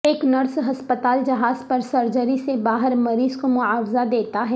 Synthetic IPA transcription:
eːknɐɾsɦɐspət̪aːld͡ʒɐɦaːzpɐɾsɐɾd͡ʒəɾisebaːɦəɾmɐɾiːzkomʊaːwzad̪eːt̪aɦɛː

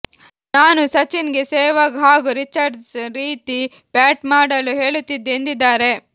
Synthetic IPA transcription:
naːnusɐt͡ʃinɡesɛːʋɐɡɦaːɡuɾit͡ʃɐɖsɾiːt̪i | paːʈmaːɽɐluɦe̞ːɭut̪ːid̪end̪id̪ːaːɾe̞

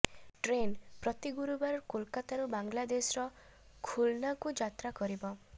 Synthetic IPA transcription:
ʈɾenpɾɔt̪iɡuɾubaɾɔɾkolkat̪aɾubaŋlad̪esɔɾɔ | kʰulnakud͡ʒat̪ɾakɔɾibɔ

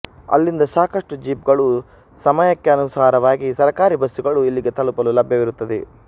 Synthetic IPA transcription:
ɐ̰lːind̪ɐsaːkɐʂʈud͡ʒiːpɡɐɭu | sɐmɐjɐkːeɐnusaːɾɐʋaːɡisɐɾɐkaːɾibʱɐsuɡɐɭuilːiɡe̞t̪ɐlupɐlulɐbʱjɐʋiɾut̪ːɐd̪e

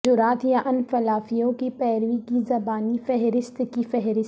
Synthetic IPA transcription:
d͡ʒʊɾaːt̪jaʔɐnfɐlaːfijõkipɛːɾʋikizɐbaːnifɛɦɾɪst̪kifɛɦɾɪs

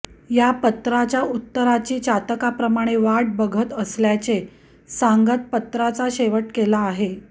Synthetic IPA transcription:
japət̪ɾat͡ɕjaut̪ːəɾat͡ɕiːt͡ɕat̪əkapɾəmaɽ̃eʋaʈ̚bəɡʱət̪əsljat͡ɕe | saŋɡət̪̚pət̪ɾat͡saɕeʋəʈkelaːɦe

